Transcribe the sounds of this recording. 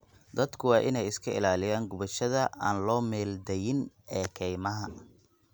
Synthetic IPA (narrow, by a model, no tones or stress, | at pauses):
d̪ɐd̪kʰʊwɑːʔɪnɛjɪskʰɐɪ̰laːlɪjaːŋɡʊβɐʃɐðɐʔa̰ːnlɔːmɛːld̪ɛjɪn | ɛːkʰɛjmɐɦɐ